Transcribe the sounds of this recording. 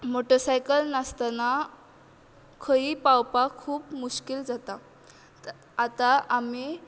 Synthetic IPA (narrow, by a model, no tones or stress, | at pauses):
moʈəɾsajkəlnast̪ana | kʰəiːpawpakʰuːpmuɕkild͡zat̪a | t̪aʔami